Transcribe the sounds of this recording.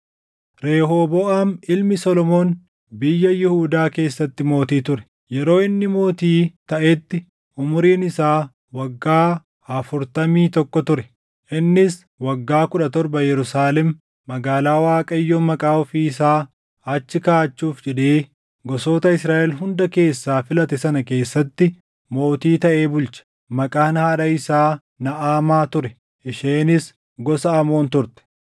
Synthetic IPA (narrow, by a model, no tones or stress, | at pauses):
ɾe̞ːɦoːboːʔaːnɪlmɪsɔlɔmoːn | bɪjːɐjɪhuːd̪aːke̞ːsːɐt̪ːɪmo̞ːt̪iːt̪ʊɾɛ̥ | jɛɾo̞ːɪnːɪmo̞ːt̪iːt̪ɐʔet̪ːɪ | ʔʊmʊɾiːnɪsaː | wɐɡːaː | ɐfʊɾt̪ɐmiːt̪ɔkːɔt̪ʊɾɛ | ʔɪnːɪs | wɐɡːaːkʊᶑɐt̪ɔɾbɐjɛɾʊsaːlɛmː | ɐɡaːlaːwaːkʼɐjːoːmɐkʼaːɔfiːɪs̬aː | ɐt͡ʃːɪkaːt͡ʃːuːfd͡ʒɛᶑeː | ɡɔso̞ːt̪ɐɪsɾaːʔɛlɦʊnd̪ɐke̞ːsːaːfɪlɐt̪ɛsɐnɐke̞ːsːɐt̪ːɪ | mo̞ːt̪iːt̪ɐʔeːbʊlt͡ʃɐ̥ | mɐkʼaːnhaːᶑɐɪsaː | nɐʔaːmaːt̪ʊɾɛ | ʔɪʃeːnɪs | ɡɔsɐɐmo̞ːnt̪ʊɾt̪ɛ̥